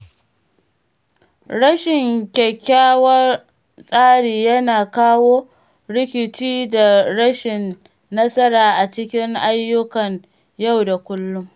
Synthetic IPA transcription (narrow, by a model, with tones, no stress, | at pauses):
ɽɐ˦ʃɪ˨ŋkʲɛ˨kʲːaː˦wɐ˦ | sʼaː˦ɽiː˨jɐ˦naː˨kaː˦woː˦ | ɽɪ˦kʲɪ˨t͡ʃiː˦da˨ɽɐ˦ʃɪ˨nː | ɐ˦sɐ˦ɾaː˨ʔa˨t͡ʃɪ˦kʲɪ˦ŋʔa˦jːʊ˦kɐ˨ŋ | ja˦˨wda˨kʷʊ˦lːʊ˦ŋ